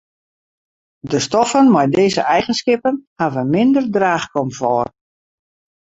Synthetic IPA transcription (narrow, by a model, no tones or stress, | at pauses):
dəstɔfənmɔjdeːzə̰ʔɛjɣənskɪpənhavəmɪndərdraːχkɔmfɔːr